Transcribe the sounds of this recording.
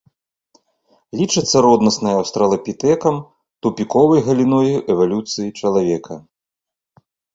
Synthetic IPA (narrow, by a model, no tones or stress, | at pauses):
lʲit͡ʂɨt̪sːɐɾɔd̪nɐsnɐjɐwst̪ɾɐlˠɐpʲit̪ɛkɐm | t̪upʲikɔvɐjɣɐlʲinɔjuʔɛvalʲut̪sɨjit͡ʂɐlˠavʲɛkʰɐ